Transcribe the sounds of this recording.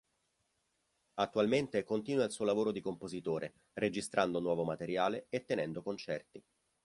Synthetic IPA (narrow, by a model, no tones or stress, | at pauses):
at̪ːualment̪ekont̪iːnwailsuːolavoːɾod̪ikompozit̪oːɾʔe | red͡ʒist̪ɾʔand̪onwɔːvomat̪eɾjaːleet̪ːenɛnd̪okont͡ʃɛrt̪i